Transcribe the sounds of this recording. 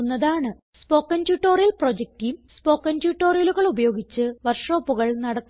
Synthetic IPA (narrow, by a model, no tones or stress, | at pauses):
nːɐðaːɳɨ | spo̞ːkːɐntjuʈːo̞ːrijɐlprod͡ʑek̚tijumspo̞ːkːɐntjuːʈːo̞ːrijɐluɣɐɭubɐjo̞ːɡit͡ɕːɨʋɐrʂoːpːuɣɐɭnɐɽɐk̪ː